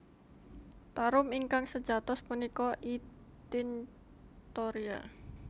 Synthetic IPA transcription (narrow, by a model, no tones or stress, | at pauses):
paɾʊmiŋkaŋsə̥d͡ʒat̪ʊspunikɔʔit̪ɪn | t̪oɾia̰